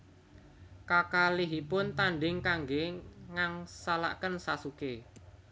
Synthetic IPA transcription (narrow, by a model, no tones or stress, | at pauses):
kakaliɦipʊnt̪aɳɖɪŋkaŋɡeŋaŋsala̰kənsasuke